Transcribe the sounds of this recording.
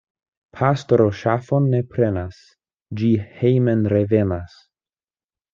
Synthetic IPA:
pʰastoɾoʃafonːepɾenas | d͡ʒihejmenɾevenas

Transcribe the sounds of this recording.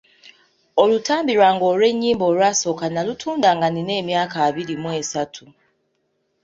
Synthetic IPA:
olutʰaːmbiɾwaŋɡoɾeɲːiːmboɾwasokanalutʰuːndaŋɡaninemjaːkaβiɾimwesatʰu

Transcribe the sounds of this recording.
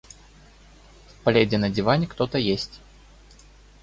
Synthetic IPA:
fpɐlʲedʲɪnɐdʲd͡zʲɪvanʲɪkt̪ot̪əjesʲtʲ

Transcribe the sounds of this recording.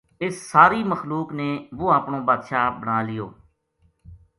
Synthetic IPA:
ɪsːaːɾiːməxluːkneːʋoːaːpɳõːbaːd̪ʃaːbəɳ̃aːlɪjo̰ː

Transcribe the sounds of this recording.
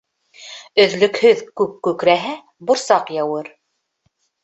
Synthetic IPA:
ɵ̆ðlɵ̆khɵðkʉkːʉkɾæɦæ | bŏɾsɑqjɑwɤɾ

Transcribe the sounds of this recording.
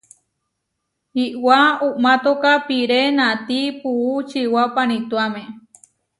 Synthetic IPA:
hiʔwaumãt̪okapiɾenãt̪ipuut͡ʃiwapanĩt̪uamẽ

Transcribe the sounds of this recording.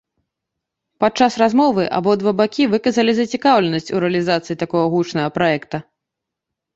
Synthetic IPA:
pat͡ʂasrazmɔvɨʔa̰bɔd̪vabakʲivɨkɐzɐlʲizɐt͡sʲikawlʲɛnɐsʲt͡sʲuɾɛɐlʲizat̪sɨit̪akɔɣɐɣut͡ʂnɐɣɐpɾajɛkt̪ɐ

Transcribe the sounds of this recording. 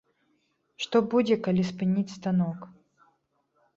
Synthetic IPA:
ʂt̪ɔbud͡zʲɛkalʲispɨnʲit͡sʲst̪anɔk

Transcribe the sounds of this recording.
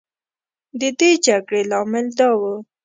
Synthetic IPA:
d̪əd̪ed͡ʒaɡɽelɑmɪld̪ɑwə

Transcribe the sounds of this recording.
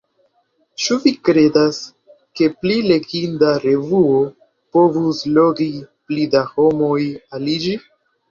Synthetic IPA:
t͡ʃuvikɾe̞das | ke̞plile̞ɡindaɾe̞vuo | po̞vuslo̞ɡiplidaho̞mo̞jalid͡ʒi

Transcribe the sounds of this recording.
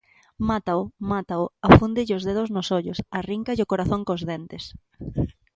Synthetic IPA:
mat̪aomat̪aʊafund̪ɪʎɪozðeðʊznʊsoʎʊsariŋkaʎɪokoɾaθõŋkõzðent̪es

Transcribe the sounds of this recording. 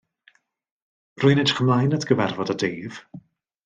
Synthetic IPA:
rʊɨnetχəmlˠajnadɡəvɛrvɔdadeːv̥

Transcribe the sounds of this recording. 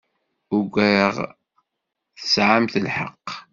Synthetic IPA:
ʊɡʷæjəʁ | θə̥sʕamθəlħə̰qː

